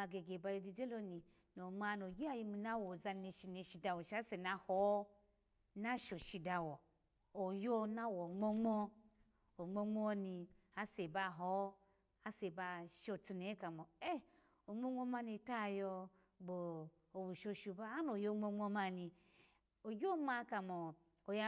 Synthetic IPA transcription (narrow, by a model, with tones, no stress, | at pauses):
a˧ɡe˨ɡe˨ba˧jo˧d͡ʒi˧d͡ʒe˦lo˦ni˨ | no˨m˦a˧no˨ɡʲi˦a˦ji˧mi˧na˦wɔ˨za˧ne˧ʃi˧ne˨˧˨ʃi˧da˧wo˨ʃa˦se˨na˧hɔ˨˦ | na˦ʃo˨ʃi˧da˧wɔ˨ | o˨jo˦na˦wo˨ŋ͡mɔ˦ŋ͡mɔ˦ | o˨ŋ͡mo˧ŋ͡mɔ˦ni˧ | a˦se˨ba˧ɦɔ˨˦ | a˦se˨ba˧ʃo˨t͡su˧ne˨˦ka˨mɔ˨e˦ | o˨ŋ͡mo˦ŋ͡mo˦ma˧ni˧ta˦˨jɔ˧ | ɡ͡bo˨ | o˨bu˨ʃo˧ʃu˧ba˦a˦no˨jo˧˦˨ŋ͡mo˧˦ŋ͡mo˧ma˧ni˧ | o˨ɡʲo˦ma˧ka˨mɔ˨ | o˨ja˧˦